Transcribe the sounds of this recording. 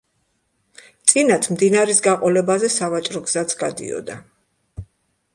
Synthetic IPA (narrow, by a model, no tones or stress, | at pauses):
t̪sʼinat̪ʰmd̪inaɾisɡaqʼɔlɛbazɛsavat͡ʃʼɾɔɡz̥at̪sʰɡ̥ad̪ḭɔ̰d̪a